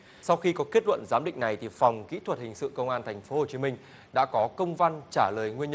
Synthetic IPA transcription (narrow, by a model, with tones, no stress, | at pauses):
sa˧wxi˧kɔ˨˦ke˦˥t̚lwə̰˧˨nzaː˨˦mɗḭ̈˧˨ŋ̟na˨˩jt̪ʰi˨˩fa˨˩wŋ͡mkḭ˧˥t̪ʰwə˨˩t̚hï˨˩ŋ̟sɨ̰˧˨kə˧wŋ͡mʔaː˧nt̪ʰjŋ̟fo˨˦ho˨˩t͡ɕi˨˦mï˧ŋ̟ | ɗa̰ː˧˥kɔ˨˦kə˧wŋ͡mva˧nt͡ɕaː˧˩ləː˨˩jŋwi˧ənɲə˧